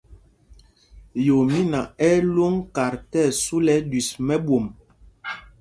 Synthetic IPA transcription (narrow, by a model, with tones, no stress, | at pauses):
jo˨mi˦na˨ɛ˦lo˦ŋka˨ɾtɛ˦˨su˦lɛ˨˦dwi˨smɛ˦ɓwo˨m